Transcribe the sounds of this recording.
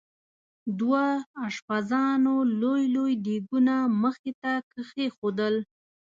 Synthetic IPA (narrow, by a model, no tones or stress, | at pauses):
d̪waːʃpazɑnolojlojdeɡunaməxet̪akəxexod̪əl